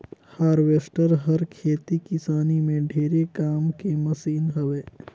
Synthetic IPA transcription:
haːɾʋeːsʈəɾɦɐɾkʰeːt̪ikɪsaːnimẽɖʱeːɾekaːmkemɐsiːnɦɐʋeː

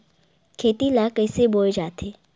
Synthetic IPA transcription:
kʰeːt̪ilaːkəɪseboːd͡ʒaːt̪ʰeː

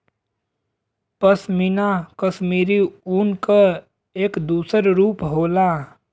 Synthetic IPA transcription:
pəsminakəʃmiːɾiuːnka | eːkd̪uːsəɾɾuːpɦoːlaː

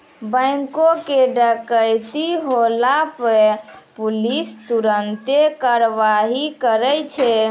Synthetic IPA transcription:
bə̃ɪŋkokeɖəkəjt̪iɦolapəpulist̪uɾənt̪ekaɾʋaɦikəɾɛjt͡ʃʰɛ

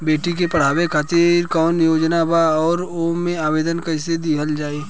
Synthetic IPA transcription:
beːʈik̬epɐɽ̤aːwekʰaːt̪ɪɾkɔːnjoːd͡ʒnabaɔːɾomẽaːʋeːd̪ənkəsed̪iɦəld͡ʒaːiː

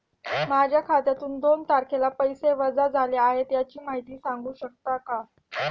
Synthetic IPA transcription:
mad͡ʑʱjakʰat̪jat̪uːnd̪ont̪aɾkʰelapəjseʋəd͡zad͡zʱalaaɦet̪jat͡ɕiːmaɦit̪iːsaŋɡuːɕək̚t̪aka

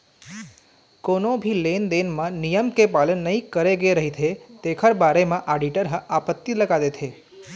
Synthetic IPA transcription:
konobʱilend̪enmãnijəmkepalənːəɦĩkəɾeɡeɾəɦit̪ʰet̪ekʰəɾbaɾemãʔaɖiʈəɾɦəapət̪ːiləɡad̪et̪ʰe

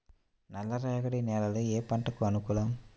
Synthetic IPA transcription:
nɐlːɐɾaːɣɐɽineːlɐlɯeːpɐɳʈɐkːɯɐnukuːlɐːm

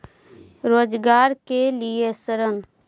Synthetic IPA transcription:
ɾoːd͡ʒɡaːɾkeliesəɾən

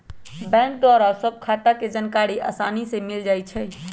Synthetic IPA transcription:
bɛ̃ŋk̚ɖɔɾasəb̚kʰat̪aked͡ʒənkaɽiʔa̰sanisemild͡ʒajt͡ʃʰɛ

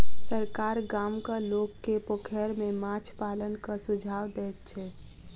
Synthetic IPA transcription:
səɾkaɾɡamkəlokːepokʰɛɾmemat͡ʃʰpalənkəsud͡ʒʱawd̪ɛt̪̚t͡ʃʰɛ

